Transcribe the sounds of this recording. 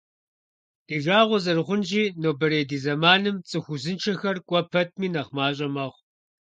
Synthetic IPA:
d̥iːʒaːʁʷʊzɐrʁʷʊnʒiːnoːbɐɾeːdiːzɐmaːnɨmt͡sʼɨxʷʊzɨnt͡ʃʰɐxɐrkʷʼɔpʰɐt̚ʰmiːnɐχmaːɕʼɐmɐʁʷ

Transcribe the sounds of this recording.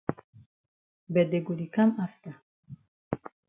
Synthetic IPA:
bɛd̪ɛɡuɾikʰamaft̪a

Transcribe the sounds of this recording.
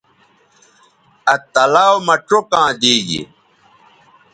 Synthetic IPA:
ɐt̪ɐlaːwmɐʈokãːd̪iːd͡ʑḭ

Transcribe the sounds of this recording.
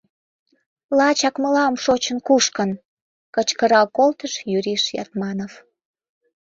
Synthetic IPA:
lɑt͡ɕɑkməlɑmʃot͡ɕənkuʃkən | kət͡ɕkəɾɑkolt̪əʃjyɾiʃjɑ̰t̪mɑnov

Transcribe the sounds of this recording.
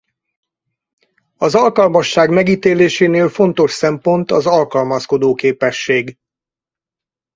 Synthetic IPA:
ɒzɒlkɒlmɒʃːaːɡmɛɡiːt̪eːleːʃeːneːlfo̞nt̪o̞ʃsɛmpo̞nt̪ɒzɒlkɒlmɒsko̞d̪oːkeːpɛʃːeːɡ

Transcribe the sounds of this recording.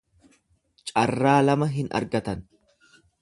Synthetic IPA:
t͡ʃʼɐrːaːlɐmɐɦɪnʔɐ̰ɾɡɐt̪ɐn

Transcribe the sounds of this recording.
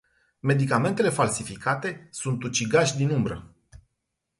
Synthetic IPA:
me̞d̪ikame̞nt̪e̞le̞falsifikʰat̪e̞sunt̪ut͡ʃiɡaʃʲd̪inumbɾə̰

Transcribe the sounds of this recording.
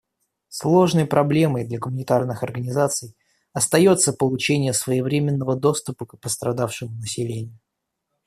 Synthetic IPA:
slˠo̞ʐnəjpɾʔɐblʲe̞məjd̪lʲɐɡʊmʊnʲɪt̪arnɨxɐrɡənʲɪzat̪sɨj | ɐst̪ɐjo̞t̪səpəlˠʊt͡ɕenʲɪjəsvəjɪvɾʲemʲɪnːəvəd̪o̞st̪ʊpəkpəst̪ɾɐd̪afʂɨmʊnəsʲɪlʲenʲɪjʊ

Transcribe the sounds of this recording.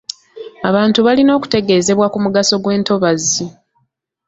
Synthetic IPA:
aβaːntuβalino̞ːku̥te̞ɡe̞ːze̞βwakumuɡaso̞ɡwe̞ːnto̞βazːi

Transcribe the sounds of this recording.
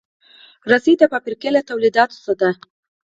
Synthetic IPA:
ɾasid̪apapiɾkelat̪awlid̪ɑt̪o̥sad̪a

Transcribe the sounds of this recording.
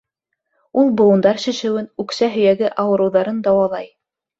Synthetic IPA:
ulˠbŏwŭnd̪ɑɾʃɘ̆ʃɘ̆wɘnʉksæɦɵ̆jæɡɘʔɑwɤ̆ɾɤ̆wðɑɾɤnd̪ɑwɑlˠɑj

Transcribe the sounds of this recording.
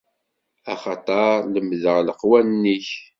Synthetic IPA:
ɑχɑt̪ˤɑɾləmðəʁləqwænnːiç

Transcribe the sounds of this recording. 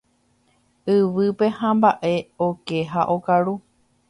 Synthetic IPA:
ɨʋɨpe̞hãmbaʔe̞oke̞ɦaʔo̞kaɾu

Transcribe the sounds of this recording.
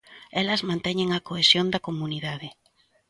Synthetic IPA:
ɛlɐzmãnt̪ɛɲeŋɐkoesjond̪ɐkomuniðaðɪ

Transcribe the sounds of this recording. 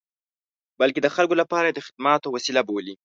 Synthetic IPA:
balked̪əxalkolapɑɾajed̪əxɪ̥d̪mɑt̪owasilaboli

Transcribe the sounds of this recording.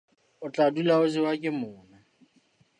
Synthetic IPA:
ʊt͡ɬʼadulaʊzɪwakʼɪmʊːna

